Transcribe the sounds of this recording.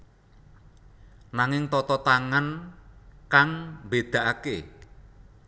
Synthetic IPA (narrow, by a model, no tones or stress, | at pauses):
naŋɪŋt̪ɔt̪ɔt̪aŋan | kaŋmbed̪̥a̤ʔake